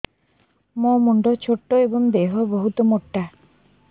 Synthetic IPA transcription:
mõmuɳɖɔt͡ɕʰoʈːoeboŋd̪eɦoboɦut̪omoʈːa

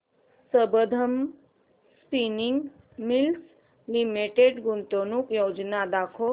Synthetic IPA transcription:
səbəd̪ʱəm | spiniŋɡ | mils | limeʈeɖɡʊnt̪onukjoːd͡ʒnad̪aːkʰo

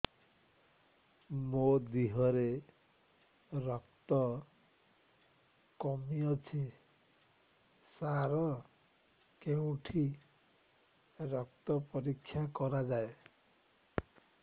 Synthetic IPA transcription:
mod̪iɦɔɾe | ɾɔkt̪ɔ | kɔmiɔt͡ʃʰi | saɾɔ | keũʈʰi | ɾɔkt̪ɔpɔɾikʰːjakɔɾad͡ʒae

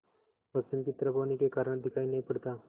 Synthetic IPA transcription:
pəst͡ɕinpit̪ɾəbʱɐʋnikekaːɾəɽd̪ʱɪkʰaːinɐɦipəɽt̪aː

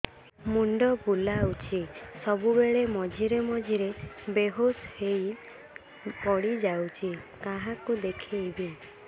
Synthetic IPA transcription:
muɳɖɔpulawt͡ʃʰisɔbubeɭemɔd͡ʒʱiɾemɔd͡ʒʱiɾebeɦoshej | pɔɽid͡ʒawt͡ʃʰikaɦakud̪ekʰijbi

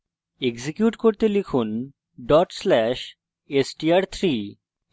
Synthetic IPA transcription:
eɡzikjuʈkoɾt̪elikʰun | ɖɔʈslɛʃ | esʈiaɾt̪ʰɾi

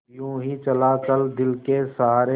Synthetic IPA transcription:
jũːɦit͡ʃəlaːt͡ʃəld̪ɪlkesaɦaːɾe

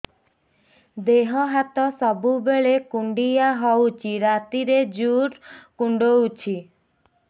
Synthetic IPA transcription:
d̪eɦɔɦat̪ɔsɔbubeɭekuɳɖijaɦɔwt͡ʃʰiɾat̪iɾed͡ʒuɾkuɳɖowt͡ʃʰi

